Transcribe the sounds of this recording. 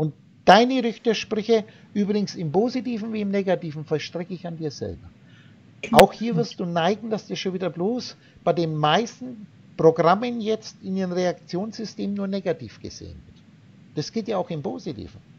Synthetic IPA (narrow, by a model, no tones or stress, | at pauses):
ʔʊnt̚ | d̥aɪnəʁʏçtɐʃpʁʏçə | ʔyːbʁɪɡŋ̩sɪmpoːzitiːfn̩viːɪmneːɡatiːfn̩fɛʃtʁ̥ɛkəɪçandiːɐzɛ̰lbɐ | aʊxhiːɐvɪɐst̚d̥uːnaɪɡŋ̩d̥asd̥ɛʃoːnviːdɐbloːs | b̥aɪdeːnmaɪstn̩ | pʁ̥oɡʁamənjɛt͡stɪndenʁeakt͡sjoːnsz̥ʏsteːmnuːɐneːɡatḭːfɡ̥ə̰z̥ḛːənvɪɐt | d̥asɡ̥eːltjaːaʊxɪmpʰoːzitʰḭːvn̩